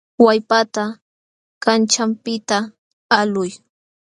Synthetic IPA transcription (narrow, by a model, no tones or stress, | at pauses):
wajpat̪a | kant͡ʃampɪt̪aː | lʊj